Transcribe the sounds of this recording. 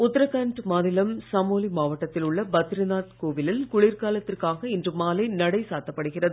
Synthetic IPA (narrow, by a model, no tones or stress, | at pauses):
ʊt̪ːɐɾɐkɐɳʈmaːðɪlɐmsɐmoːlimaːʋɐʈːɐt̪ːɪlʊɭːɐbɐt̪ːɾɪnaːt̪koːʋɪlɪlkʊɭiɾkaːlɐt̪ːɪrkaːɣɐɪndrɯmaːlɐɪnɐɽɐɪsaːt̪ːɐpːɐɽɯɣɪrɐðɯ